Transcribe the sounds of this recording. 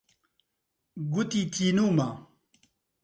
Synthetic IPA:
ɡut̪it̪ʰiːnuːma

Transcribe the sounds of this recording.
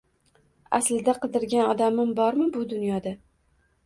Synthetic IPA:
a̰slɪd̪aqʰɨd̪ɪɾɡʲanɒd̪amɪmbɒɾmɪbʊd̪ʊnjɒd̪a

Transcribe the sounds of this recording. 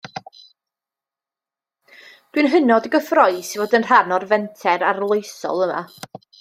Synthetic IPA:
d̥winɦənɔdəɡəfrɔɨsivoːdənr̥anɔrvɛntʰɛɾarlˠojsɔ̰lˠəma̰

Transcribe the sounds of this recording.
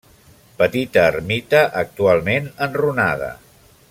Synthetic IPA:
pət̪it̪əːrmit̪əʔək̚t̪ualˠmenənrunað̞ə̰

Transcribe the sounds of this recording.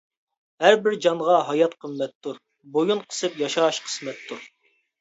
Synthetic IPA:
hæɾbɪɾd͡ʒɑɴʁɑɦɑjɑt̪qʰəmːɛt̪ʰːuɾ | bojunqʰə̥sɨpjɑʃɑʃqʰə̥smɛt̪ʰːuɾ

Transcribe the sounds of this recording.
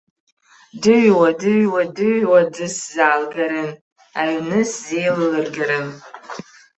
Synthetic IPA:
dɨɥwɐdɨɥwadɨɥwadɨszaːlɡɐɾɨn | aɥnɨszejlɨlɨrɡɐɾɨn

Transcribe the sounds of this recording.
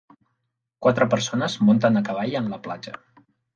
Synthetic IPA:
kwat̪ɾəpəɾsonəzmont̪ənəkəβ̞aʎəmləplad͡ʒə̰

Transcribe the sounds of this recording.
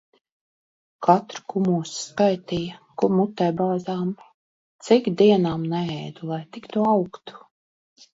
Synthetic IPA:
kʰat̪ɾkumuːsskajt̪ijakumːut̪ːɛjbaːzaːm | t̪sikd̪iɛnaːmnɛɛjd̪ulˠajt̪ikt̪uawkt̪u̥

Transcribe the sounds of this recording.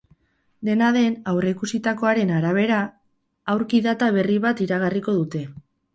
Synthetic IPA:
d̪e̞naðe̞nawreikusit̪ako̞aɾe̞naɾaβ̞e̞ɾa | awɾkiðat̪aβ̞e̞riβat̪iɾaɣariko̞ðut̪e̞

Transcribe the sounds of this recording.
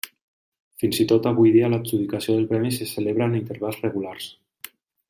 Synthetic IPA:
finzit̪ot̪aβujðialakzuðikasioð̞elˠpɾɛmiseseleβ̞ɾanint̪eɾβalˠzreɣulars

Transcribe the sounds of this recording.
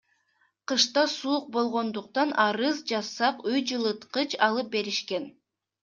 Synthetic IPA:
qɯʃt̪ɑsuːq̚bo̞lˠʁo̞nd̪uq̚t̪ɑnʔɑɾɯzd͡ʒɑsːɑqyjd͡ʒɯlˠɯt̪qɯt͡ʃɑlˠɯp̚be̞ɾiʃke̞n

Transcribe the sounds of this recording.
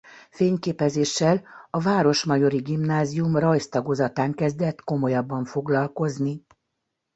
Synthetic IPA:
feːɲkeːpɛzeːʃːɛlɒvaːɾo̞ʃmɒjo̞ɾiɡimnaːziumrɒjst̪ɒɡozɒt̪aːŋkɛzd̪ɛt̪ko̞mo̞jɒbːɒɱfo̞ɡlɒlko̞zni

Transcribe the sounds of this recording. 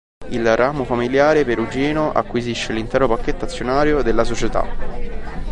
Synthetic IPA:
ilrʔaːmofamiljaːɾepeɾud͡ʒiːnoʔa̰kːwiziʃːelint̪ɛːɾopakːet̪ːat̪sːjonaːɾjod̪elːasot͡ʃet̪a̰

